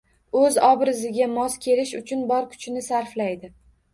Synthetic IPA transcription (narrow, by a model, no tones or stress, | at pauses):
ɵzɒbɾɪzɪɡʲamɒskʲʰe̞lɪʃʊt͡ʃʰʊnbɒɾkʰʊ̥t͡ʃʰnɪsaɾflajd̪ɪ